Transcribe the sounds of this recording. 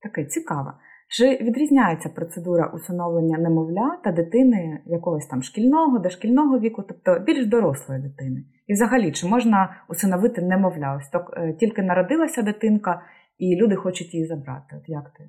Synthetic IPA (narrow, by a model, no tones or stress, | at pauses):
t̪ɐkɛt͡sʲikɑʋɐ̰ | t͡ʃɪʋʲid̪ɾʲizʲnʲajet͡sʲːɐpɾɔt̪sed̪uɾɐ̰ʔusɪnɔʋlˠenʲːɐnɛmɔʋlʲat̪ɐd̪ɪt̪ɪnɪjɐkɔɦɔsʲt̪ɑmʃkʲilʲnɔɦɔd̪ɐʃkʲilʲnɔɦɔʋʲikʊt̪ɔp̚t̪ɔbʲilʲʒd̪ɔɾɔslˠɔjid̪ɪt̪ɪnɪ | iwzɐɦɐlʲit͡ʃɪmɔʒnɐusɪnɔʋɪt̪ɪnɛmɔʋlʲaɔsʲt̪ɔktʲilʲkɪnɐɾɔd̪ɪlˠɐsʲɐd̪ɪt̪ɪnkɐ | ilʲud̪ɪxɔt͡ʃʊtʲjizɐbɾɑ̰t̪ɪɔt̪jakt̪ɪ